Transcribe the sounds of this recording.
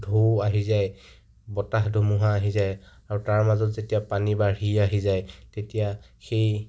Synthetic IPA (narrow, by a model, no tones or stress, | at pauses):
dʱoaɦizaj | bɔtaxdʱomuɦaːɦizaj | aɹutaɹmazɔtzetijapanibaɹiaɦizajtetijaxej